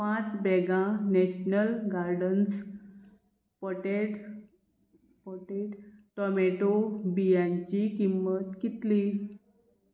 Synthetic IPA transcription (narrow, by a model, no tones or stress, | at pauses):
pãt͡sbɛɡãneɕnəlɡaɾɖəns | pɔʈeʈ | pɔʈeʈʈɔmeʈobijãɲt͡ɕikimːət̪kit̪li